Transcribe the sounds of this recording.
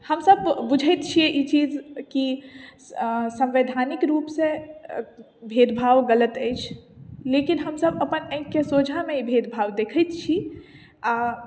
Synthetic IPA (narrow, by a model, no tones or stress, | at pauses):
həmsəbbʊd͡ʒʱət̪t͡ʃʰieʔit͡ʃiːzki | sɐ̃mʋed̪ʱaːnɪkɾuːpse | bʱeːd̪bʱaːʋɡələt̪ɛjt͡ʃʰleːkinɦəmsəbɐpənɛ̃kːesoːd͡ʒʱamẽibʱeːd̪bʱaːʋd̪eːkʰət̪t͡ʃʰi | a